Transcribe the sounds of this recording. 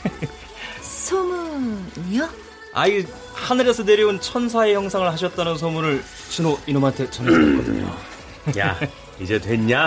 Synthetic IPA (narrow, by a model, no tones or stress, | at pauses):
sʰʌmu | a | a̰i | hanɯɾe̞sʰʌne̞ɾiunt͡ɕʰʌns̬ʰae̞çjʌŋsʰaŋɯɭhaɕ̬ʰʌt̚t͈anɯns̬ʰʌmuɾɯɭ | t͡ɕinoinomɦantʰe̞t͡ɕʌneɡʌdɯ̰ɲo̰ | ja̰ | id͡ʑe̞tweɲɲa